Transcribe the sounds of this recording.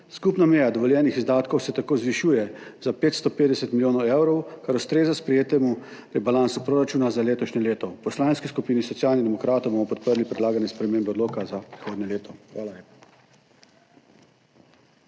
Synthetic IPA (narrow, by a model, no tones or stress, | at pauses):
skupnamɛjad̪ɔʋɔljɛːnixizd̪aːt̪kɔwsɛt̪akoːzʋiʃujɛzapeːt̪st̪ɔpeːd̪ɛsɛt̪milʲjoːnɔwɛwɾɔwkaɾust̪ɾeːzaspɾɛjeːt̪ɛmu | pɾibalansupɾoːɾat͡ʃuːnazaleːt̪ɔʃɲɛleːt̪ɔpɔslaːnskiskupiːnisɔt̪sijaːlnid̪ɛmɔkɾaːt̪ɔwbomɔpɔt̪̚pəɾlipɾɛd̪laːɡanjɛspɾɛmeːmbɛɔd̪loːkazapɾixoːd̪nɲɛleːt̪ɔxʋaːlaleːpḁ